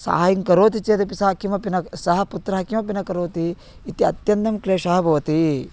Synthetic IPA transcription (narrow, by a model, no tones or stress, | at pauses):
sa̰ːɦaːjiŋkɐɾoːt̪it͡ʃeːt̪ipisaːkimɐpinɐsɐɦɐ̆put̪ɾɐɦɐkimɐp̬inɐkɐɾoːt̪i | it̪iɐt̪jɐnt̪ɐmkleːʃɐɦɐbʱɐʋɐt̪i